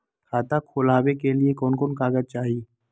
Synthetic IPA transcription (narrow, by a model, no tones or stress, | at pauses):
kʰaːt̪akʰoːlaːwekeliekɔːnkonkaːɡəd̪̚t͡ʃaːɦi